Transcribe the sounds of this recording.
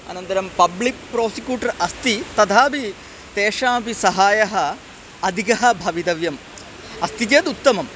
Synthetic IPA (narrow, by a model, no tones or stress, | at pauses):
ɐ̰nɐnt̪ɐɾɐmpɐblik̚pɾoːsikjuːʈɐɾɐst̪it̪ɐd̪ʱaːbi | t̪eːʂaːbisɐɦaːjɐɦɐ | ɐd̪ʱikɐɦɐbʱɐʋid̪ɐʋjɐm | ɐst̪it̪̬jɐt̪ut̪ːɐmɐm